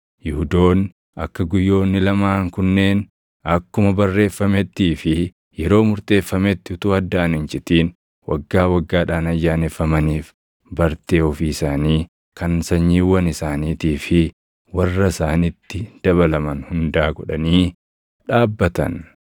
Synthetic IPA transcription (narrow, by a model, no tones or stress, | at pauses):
jɪhʊd̪o̞ːn | ʔɐkːɐɡʊjːo̞ːnːɪlɐmaːŋkʊnːe̞ːn | ɐkːʊmɐbɐrːe̞ːfːɐmɛt̪ːiːfɪ | jɛɾo̞ːmʊɾt̪ʼe̞ːfːɐmɛt̪ːɪhʊt̪uːɐd̪ːaːnɪnd͡ʒɪt̪iːn | wɐ̰ɡːaːwɐɡːaːᶑaːnɐjːaːnɛfːɐmɐniːf | bɐɾt̪e̞ːɔfiːsaːniː | kɐnsɐɲːiːwːɐnɪsaːniːt̪iːfɪ | wɐrːɐɪsaːnɪt̪ːɪd̪̥ɐβɐlɐmɐnhʊnd̪aːɡɔᶑɐ̰niː | ᶑaːbːɐt̪ɐ̰n